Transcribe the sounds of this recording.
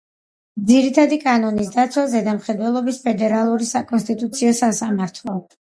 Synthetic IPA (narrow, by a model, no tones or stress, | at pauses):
d̪ziɾit̪ʰad̪ikʼanɔnisd̪at̪sʰwazɛd̪amχɛd̪wɛlˠɔbispʰɛd̪ɛɾalˠuɾisakʼɔnst̪ʼit̪ʼut̪sʰiɔsasamaɾt̪ʰlˠɔ